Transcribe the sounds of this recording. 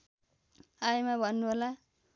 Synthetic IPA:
ajmabʱʌnːubʱola

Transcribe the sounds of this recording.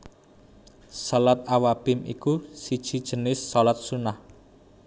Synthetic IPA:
sɔlat̪̚awapɪmḭkusid̥ʒ̥i̤d̥ʒ̥ə̤nɪsːɔlat̪̚sunah

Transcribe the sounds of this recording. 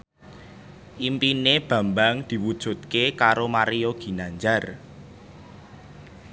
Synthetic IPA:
ʔimpineb̥ä̤mbaŋd̪̥i̤wud̥ʒ̥ṳt̪̚kekaɾomaɾioɡ̥i̤naɲd͡ʒar

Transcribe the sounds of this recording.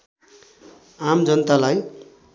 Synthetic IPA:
amd͡zʌnʌt̪alaj

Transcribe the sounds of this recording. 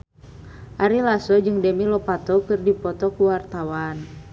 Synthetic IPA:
ʔaɾilasɔd͡ʒɨŋdɛmilɔpat̪ɔkɨrdipɔt̪ɔkuwart̪awan

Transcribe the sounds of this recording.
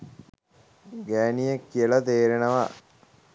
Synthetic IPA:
ɡæːnijekːijəlɐt̪eːɾenəʋa

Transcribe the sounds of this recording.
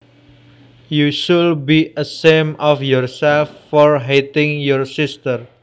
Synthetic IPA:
juʃulbiəsemɔfjɔrsɛlfːɔrɦet̪ɪ̃ŋjɔrsɪst̪ər

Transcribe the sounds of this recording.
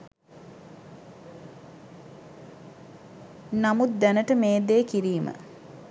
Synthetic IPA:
namut̪̚d̪ænəʈəmeːd̪eːkiɾiːmə̰

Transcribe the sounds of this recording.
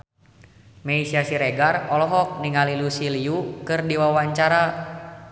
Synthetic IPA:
mɛisiasiɾɛɡarɔlɔɦɔk̚niŋalilusiliukɨrdiwawaɲt͡ʃaɾa

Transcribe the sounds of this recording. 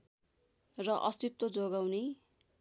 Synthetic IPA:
rʌʔʌst̪it̪wod͡zoɡawne

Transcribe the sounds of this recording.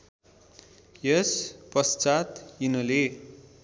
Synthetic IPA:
jʌspʌst͡sat̪jinʌle

